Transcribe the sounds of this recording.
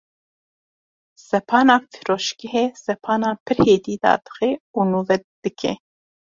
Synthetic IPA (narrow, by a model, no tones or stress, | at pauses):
sɛpʰɑːnɑːfi̥ɾoːʃkɛɦeːsɛpʰɑːnɑːpʰɨɾheːd̪iːd̪ɑ̰ːd̪ɨ̥xeuːnuːvɛd̪̥ɨkʰɛ̰